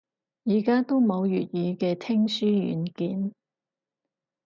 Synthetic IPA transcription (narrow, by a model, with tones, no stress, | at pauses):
jiː˨˩kaː˥t̪o˥wmo˨˧wjyː˨t̚jiː˨˧kɛː˧t̪ʰɪ˥ŋsyː˥jy̰ː˨˥nkiː˨˥n